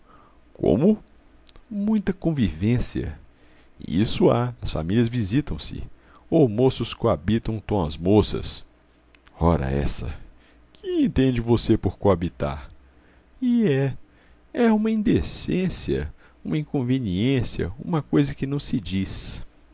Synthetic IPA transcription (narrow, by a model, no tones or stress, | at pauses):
kʰõ̰mʊ | mũj̃t̪ɐkõvivẽsiɐ̰ | ḭsʊaɐsfa̰miliɐzvizit̪ɐ̃w̃sɪ̰ | omosʊskoabit̪ɐ̃w̃t̪õw̃ɐ̰zmosɐ̰s | ɔɾɐ̰ɛ̰sɐ̰ | kʰɪẽnt̪ẽd͡ʒɪvosepoɾkoabit̪a̰ɾ | ɪɛ | ɛũmɐĩnd̪esẽsiɐ̰ | ũmɐĩkõveniẽsiɐ̰ṵ̃mɐkojzɐkɪnɐ̃w̃sɪd͡ʒis